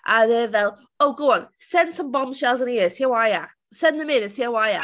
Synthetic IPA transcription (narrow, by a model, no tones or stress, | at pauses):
ʔəðəðɛlˠ | oʊɡoʊə̃nsɛ̃n̥sə̃mbɔ̃mʃɛlˠzə̃nəjɪəsiəwaja | sɛ̃nðəmɪnəsiəwaja